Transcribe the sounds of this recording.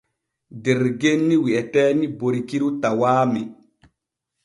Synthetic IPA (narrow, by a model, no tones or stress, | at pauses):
dɛɾɡenːiwiʔɛtɛːniboɾikiɾutawaːmɛ